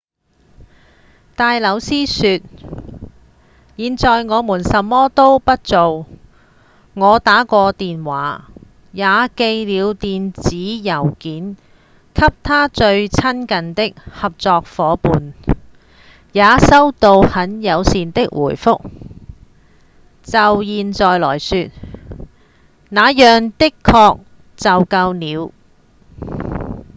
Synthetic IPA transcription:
t̪aː˨jlɐ˨˧wsiː˥syː˧t̚ | jiː˨˧nt͡sɔː˨˧jŋɔː˨˧muː˨˩nsɐ˨˧mːɔː˥t̪o˥wpɐ˥t̚t͡so˨w | ŋɔː˨˧t̪aː˨˥kɔː˧t̪iː˨nwaː˨˥ | jaː˨˧ke˧jliː˨˧wt̪iː˨nt͡siː˨˥jɐ˨˩wkiː˨˥n | kʰɐ˥p̚t̪ʰaː˥t͡ʃɵ˧ɥt͡sʰɐ˥nkɐ˨nt̪ɪ˥k̚hɐ˨p̚t͡sɔː˧k̚fɔː˨˥puː˨n | jaː˨˧sɐ˥wt̪o˧whɐ˨˥njɐ˨˧wsiː˨nt̪ɪ˥k̚wʔṵː˨˩jfʊ˥k̚ | t͡sɐ˨wjiː˨nt͡sɔː˨jlɔ̰ː˨˩jsyː˧t̚ | naː˨˧jœː˨ŋt̪ɪ˥kʰːɔː˧k̚ | t͡sɐ˨wkɐ˧wniː˨˧w

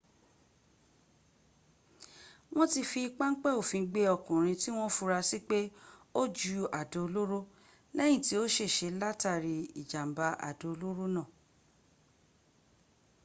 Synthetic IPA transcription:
w̃ɔ̃˦ti˧fi˧k͡pa˦ŋ̩˦k͡pɛ˦˨o˨fĩ˧ɡ͡be˧˦ɔ˧˨kũ˨ɾ̃ĩ˧ti˦w̃ɔ̃˦fu˧ɾa˧si˦k͡pe˦o˦d͡ʒu˦a˨do˨o˧lo˦ɾo˦ | lɛ˦j̃ĩ˦˨ti˨˦o˦ʃe˦˨ʃe˧la˦ta˦˨ɾi˨i˨d͡ʒa˨m̩˨ba˧a̰˨do˨o˧lo˦ɾo˦nãː˦˨

